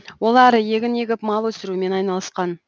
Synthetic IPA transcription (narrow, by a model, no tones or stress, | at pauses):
wo̞lˠɑɾəje̞ɡʲɪne̞ɡʲɪpmɑlˠwɵsɪɾume̞nɑjnɑlˠəsqɑn